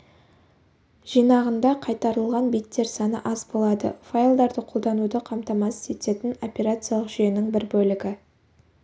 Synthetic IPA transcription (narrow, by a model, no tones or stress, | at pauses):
ʒ̥ijnɑʁənd̪ɑqʰɑjt̪ɑɾəlˠʁɑnbijt̪ːe̞ɾsɑnə̰ʔɑzbo̞lˠɑd̪ə̰fajlˠd̪ɑɾd̪əqʰo̞lˠd̪ɑnud̪əqʰɑmt̪ɑmɑsze̞t̪e̞t̪ɪno̞pʲe̞ɾat̪sɨjɑlˠəqʒ̥yjenɪŋbɪɾbɵlɪɡʲɪ